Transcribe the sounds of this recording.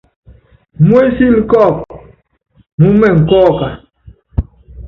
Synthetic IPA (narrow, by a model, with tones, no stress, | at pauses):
mwe˦si˦li˦kɔ˦˨k | mu˦mɛ˦˨ŋ̩˨kɔː˦˨ka˨